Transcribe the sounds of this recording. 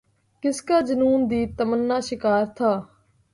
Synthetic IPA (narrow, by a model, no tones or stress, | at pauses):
kɪskaːd͡ʒənuːnd̪iːt̪əmənːaːʃɪkaːɾt̪ʰaː